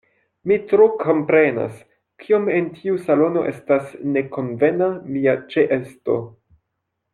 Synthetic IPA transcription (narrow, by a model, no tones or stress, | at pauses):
mitɾokʰo̞mpɾe̞na̰s | kʰiome̞ntʰiusalo̞no̞̰ʔe̞stasne̞ko̞nve̞namiat͡ʃeʔesto̞̰